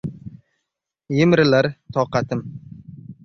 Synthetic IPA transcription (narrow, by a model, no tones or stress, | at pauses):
jɪmɾɪlaɾt̪ʰɒqɑt̪ʰɪm